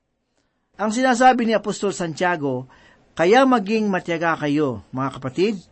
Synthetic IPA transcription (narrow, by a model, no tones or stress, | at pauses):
ʔɐŋs̬ɪnaːs̬aːbɪnɪɐpost̪o̞lsɐnt͡ʃaːɡo̞ | kɐjamɐɡiŋmɐt̪jɐɡakɐjo̞mɐŋakɐpɐt̪id̪̚